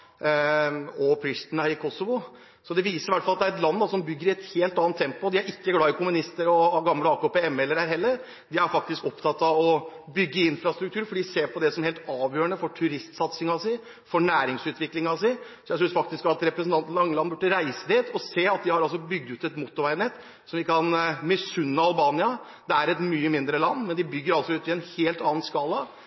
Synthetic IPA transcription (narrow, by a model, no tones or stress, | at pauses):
ɔpʰɾɪst̪næːɾɪkʰɔsɔʋʊ | sɔd̪ɛʋiːsəɾɪʋæʈːfɑlɑt̪d̪æɾɛt̪lɑnːd̪ɑsɔmbʏɡːəɾɪɛt̪heːlt̪ɑːnt̪ʰːɛmpʊd̪ɪæɾɪkːəɡlɑːɪkʰʊmʉnɪst̪əɾɔɡɑmləɑːkopɛɛmːɛlːəɾæɾhɛlːəɾ | d̪ɪæɾfɑk̚t̪ɪskɔpt̪ʰɑt̪ːɑʋɔbʏɡːəɪnfɾɑst̪ɾʉk̚t̪ʉːɾfɔɖiːseːɾpʰɔd̪ɛsɔmheːlt̪ɑːʋjøːɾəɳəfɔʈʰʉɾɪst̪sɑt̪sɪŋɑsɪ | fɔɳæːɾɪŋsʉːt̪ʋɪklɪŋɑsɪsɔjæsʏnsfɑkt̪ɪskɑt̪ɾɛpɾəsnt̪ɑnt̪n̩lɑŋːəlɑnːbʉʈːəɾæɪsəd̪ɪt̪ʰɔseːɑt̪̚d̪ɪhɑɾɑlsɔbʏɡ̚d̪ʉːt̪ɛt̪mʊt̪ːʊɾʋæɪnɛt̪ː | sɔmʋɪkːʰɑnmɛsʉnːəɑlbɑːnɪɑ | d̪ɛæɾɛt̪myːəmɪnd̪ɾəlɑnːmɛnd̪ɪbʏɡːəɾɑlsɔʉːt̪ɪɛnheːlt̪ɑːnskɑlə